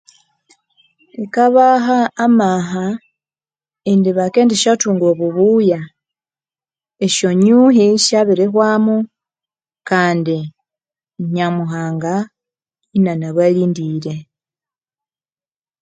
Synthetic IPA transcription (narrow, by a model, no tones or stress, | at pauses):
ikaβaɦaːmaɦa | indiβake̞ːndiʃatuːŋɡoβuβuːja | eʃo̞ɲuɦiʃaβiɾexwaːmu | kaːndi | ɲamuxaːŋɡa | inanaβwaliːndiɾe̞